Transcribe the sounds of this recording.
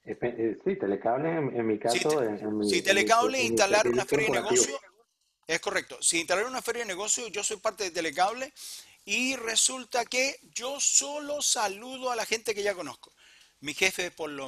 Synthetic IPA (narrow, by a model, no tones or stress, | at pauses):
epesit̪elekaβleeŋmikasioeeisit̪elekaβleint̪alaɾunafeɾjanɣoisjo | e̞hko̞rek̚t̪o̞siint̪alaɾunafe̞ɾjaðeneɣo̞sjoʝo̞so̞jpaɾt̪e̞ðet̪e̞lek̬aβle | ire̞sult̪ake̞ʝo̞so̞lo̞saluðoalaxe̞nt̪e̞ke̞ʝako̞nosko | mixe̞feðepo̞lo